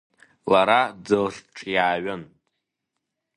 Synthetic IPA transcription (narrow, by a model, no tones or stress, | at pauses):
laɾad͡zɨlʂʈ͡ʂʼʰjaːɥɨnʼ